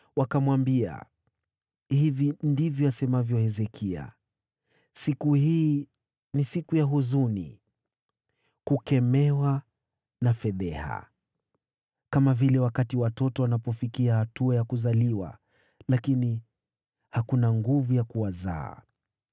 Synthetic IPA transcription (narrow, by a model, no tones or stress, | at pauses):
wakamwambia̰ | hivindivjɔasɛmavjɔhɛzɛkʰia̰ | sikuhiː | nisikujaɦuzunḭ | kukɛmɛwa | nafɛðɛha̰ | kamavilɛwakatiwatɔtɔwanapɔfikiahatuajakuzaliwa̰ | lakini | hakunaŋɡuvujakuwaza̰ː